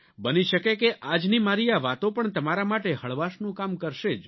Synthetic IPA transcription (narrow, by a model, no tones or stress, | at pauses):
bəniʃəkekeʔad͡ʒnimaɾiaʋat̪õpəɳt̪əmaɾamaʈehəɭʋaʃnũkamkəɾʃed͡ʒ